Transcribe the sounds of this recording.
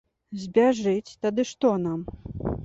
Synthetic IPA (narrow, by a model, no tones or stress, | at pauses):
zʲbʲaʐɨt͡sʲt̪ad̪ɨʂt̪ɔnam